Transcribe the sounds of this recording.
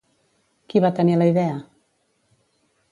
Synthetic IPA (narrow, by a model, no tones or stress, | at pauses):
kiβat̪əniləiðɛə